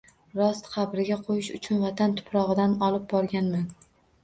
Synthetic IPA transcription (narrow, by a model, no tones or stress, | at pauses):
ɾɒst̪qʰɑbɾɪɡʲaqʰojɪʃʊ̰t͡ʃʰʊnvat̪ʰant̪ʰʊ̥pʰɾɒʁɨd̪anɒlˠɪp̚bɒɾɡʲanman